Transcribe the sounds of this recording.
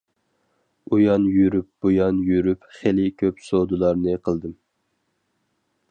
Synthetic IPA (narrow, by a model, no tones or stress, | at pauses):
ujɑnjyɾyp̚b̥ojɑnjyɾypχelɪkʲʰøpsod̪ulˠɑɾnɨqʰəlˠd̪ɨm